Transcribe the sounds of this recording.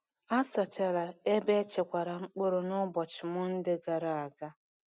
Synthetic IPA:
a˦sa˨t͡ʃa˨ɾa˨e˦be˦t͡ʃe˨kʷa˨ɾa˨ŋ͡m̩˦k͡po˦ɾo˨nʊ˦bɔ˨t͡ʃɪ˨mʊ˦n̩˦dɪ˦ɡa˨ɾa˨a˨ɡa˦

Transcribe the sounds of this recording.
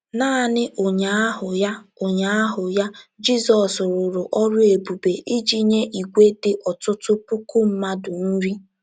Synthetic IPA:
naː˦˨nɪ˦ʔo˨ɲa˨a˦ɦʊ˨ja˦o˨ɲa˨a˦ɦʊ˨ja˦d͡ʒi˦sɔ˨sʊ˨ɾʊ˨ɾʊ˨ʔɔ˦ɾʊ˦e˨bu˨be˨ʔi˦d͡ʒi˦ɲe˦ʔi˨ɡʷe˦dɪ˨ʔɔ˨tʊ˦tʊ˦pu˦ku˦m̩˦ma˦dʊ˨n̩˦ɾi˦

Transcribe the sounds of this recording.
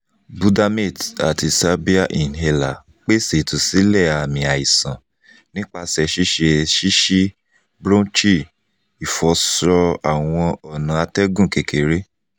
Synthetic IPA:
bu˧da˧me˦˨da˨ti˧sa˦bi˦a˦˨ʔi˨n̩˨ɦe˧la˨ | k͡pe˦se˨tu˨si˨˦lɛ˦˨a˨mĩ˨a˨i˨sã˨ | nĩ˦k͡pa˧sɛ˧ʃi˦ʃe˧ʃi˦ʃi˦ | bɾõ˦t͡ʃi˦˨ | i˨fɔ˨˦sɾɔ˧a˨w̃ɔ̃˧ɔ˨nã˨a˧tɛ˦ɡũ˦˨ke˨ke˨ɾe˦

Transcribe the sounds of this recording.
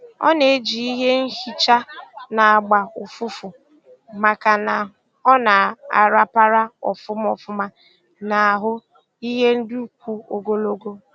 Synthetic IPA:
ɔ̰˦ne˨˦d͡ʒi˨i˦ɦe˦n̩˦hi˦t͡ʃa˦na˨a˨ɡ͡ba˨ʊ˨fʊ˦fʊ˨ | ma˨ka˨na˨ | ɔ˦na˨a̰˨ɾa˦pa˦ɾa˦ɔ˨fʊ˦m˦ɔ˨fʊ˦ma˦ | na˨a˨ɦʊ˦ | i˦ɦe˦n̩˦dʊ˦kʷu˦o˨ɡo˦lo˦ɡo˦

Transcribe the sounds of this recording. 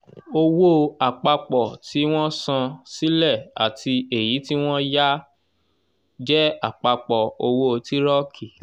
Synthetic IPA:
o˧wo˦a˨k͡pa˧k͡pɔ˨ti˨˦w̃ɔ̃˦sã˧si˦lɛ˦˨a̰˨tʰi˧e˨ji˨˦ti˦w̃ɔ̃˦ja˦ | d͡ʒɛ˦a˦˨k͡pa˧k͡pɔ˨o˧wo˦˧ti˦ɾɔ˦kʰi˦˨

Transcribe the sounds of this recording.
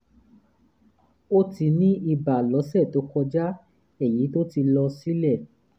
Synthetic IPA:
o˦ti˧nĩ˦ʔi˧˨ba˨lɔ˨˦sɛ˦˨to˨˦kɔ˧d͡ʒa˦ | ɛ˨ji˨˦to˦ti˧lɔ˧si˦lɛ˦˨

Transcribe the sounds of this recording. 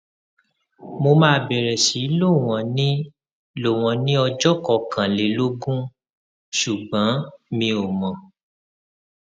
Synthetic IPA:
mo˧mãː˦bɛ˨ɾɛ˨si˨˦lo˦˨w̃ɔ̃˨nĩ˦ | lo˨w̃ɔ̃˨nĩ˦ɔ˧d͡ʒɔ˦kɔ˨kã˨le˨lo˦ɡũ˦ | ʃu˨ɡ͡bã˨˦mĩ˧o˨mɔ̃˨

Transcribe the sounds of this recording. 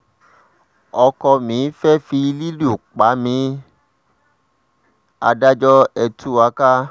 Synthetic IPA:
ɔ˧kɔ˧mĩ˨˦fɛ˦fi˧li˦lu˦˨k͡pa˨˦mĩ˧ | a̰˧da˦d͡ʒɔ˦ɛ˧tʰu˦a˧ka˦

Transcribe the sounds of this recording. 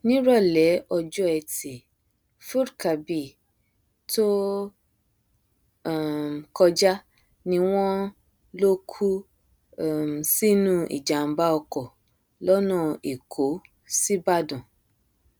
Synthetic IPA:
nĩ˦ɾɔ˦˨lɛ˨˦ɔ˧d͡ʒɔ˦ɛ˧ti˨ | fu˦ɾka˨bi˨ | to˦˨ | kɔ˧d͡ʒa˦ | nĩ˧˦w̃ɔ̃˦ | lo˦kʰu˦˨ | si˦nũ˦ʔḭ˨d͡ʒa˨m̩˨˦ba˦ɔ˧kɔ˨ | lɔ˦nã˦˨e˨kʰo˨˦ | si˦ba˦dɔ̃˨

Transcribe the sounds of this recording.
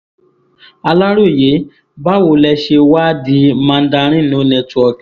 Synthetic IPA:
a˧la˦ɾu˦˨je˨˦ | ba˦wo˧˨lɛ˧ʃe˧wa˦di˦mã˧n̩˦da˧ɾ̃ĩ˦nũ˨˦nɛ̃˧tu˨˦ɔ˨k

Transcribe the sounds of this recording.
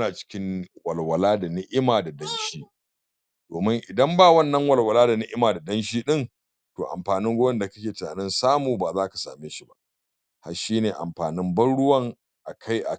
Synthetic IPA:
naː˨t͡ʃɪ̥˦kʲɪ˦ŋwɐ˨lwɐ˨laː˦da˨nɪ˦ʔɪ˦maː˨da˨dɐ˦nʃiː˦ | doː˨mɪ˦ŋʔɪ˨dɐ˦mbaː˦˨wɐ˦nːɐ˦ŋwɐ˨lwɐ˨laː˦da˨nɪ˦ʔɪ˦maː˨da˨dɐ˦nʃiː˦ɗɪ˦n | to̰ː˨ʔa̰˨mɸaː˨nɪ˦ŋɡʷoː˦jɛ˦nda˨kɐ˦kʲeː˨tɪ˨na̰ː˨nɪ˦nsaː˦muː˨baː˨zaː˦kḁ˨sa̰ː˨meː˦ʃi˦ba̰˦ʔ | ha̰˨ʃiː˦neː˨ʔa̰˨mɸaː˨nɪ˦mbɐ˦nɽʊ˦wɐ˦ŋ | ʔa˨kʰa˦jʔa̰˨

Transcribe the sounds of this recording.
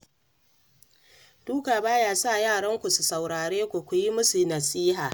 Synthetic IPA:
d̥uː˦kaː˨baː˦jaː˦sa˦˨jaː˦˨ɽɐ˦ŋkʷu˨su˨sa˨wɽaː˨ɽeː˦kʷo˨kʷu˨ji˦mʊ˦su˨nɐ˨siː˦ɦaː˨

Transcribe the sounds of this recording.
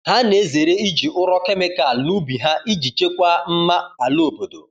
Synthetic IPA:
ha˦ne˨˦ze˨ɾe˦i˦d͡ʒi˨ʔʊ˦ɾɔ˦ke˦mɪ˦ka˨nu˦bi˨ɦa˦ʔi˦d͡ʒi˨t͡ʃe˦kʷa˦m̩˦ma˦a˨lo˦˨bo˨do̰˨

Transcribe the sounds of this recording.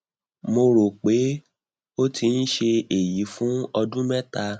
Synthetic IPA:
mo˧ɾo˨k͡pe˨˦ | o˦ti˧n̩˦ʃe˧e˨ji˨˦fũ˦ɔ˧dũ˦mɛ˦ta˧

